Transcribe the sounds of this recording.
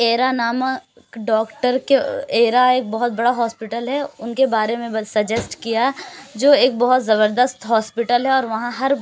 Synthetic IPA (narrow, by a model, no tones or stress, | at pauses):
eːɾanaːmə | kɖɔːkʈəɾkeeːɾaeːk̚bɐɦʊt̪̚bɐɽaɦɔːspɪʈəlɦɛʊnkebaːɾemẽsɐd͡ʒɛsʈkijad͡ʒoːeːk̚bɐɦʊt̪zɐβəɾd̪əst̪ɦɔːspɪʈəlɦɛɔːɾʋɐɦãɦɐɾ